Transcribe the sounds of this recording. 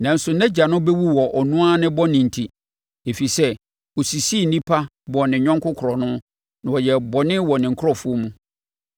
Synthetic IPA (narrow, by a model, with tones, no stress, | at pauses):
nã˨n̩˦sʊ˨nɛ̃˦d͡ʑa˨nʊ̃˦bɛ˦wu˦wɔ˨ʔɔ˨nũ˦a˦nɪ̃˦bɔ˦nɪ̃˨n̩˨tʰi˨ | e˨fi˨sɛ˦ | o˨si˨si˦˨n̩˨nĩ˦pʰa˦ | bɔ˨nɪ̃˨ɲᶣɔ̃˦ŋkʰʊ˦kʰʊ˨ɾɔ˨nʊ̃˦ | nã˨wɔ˨jɛ˨bɔ˨nɪ̃˦wɔ˨nɪ̃˨ŋ̩˨kʰʊ˦ɔ˦fu˦o˦mũ˦